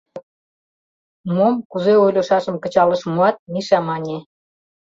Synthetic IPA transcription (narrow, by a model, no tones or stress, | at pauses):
momkuzeojlʲoʃɑʃə̆mkə̆t͡ɕɑləʃmuɑt̪̚miʃɑmɑnʲe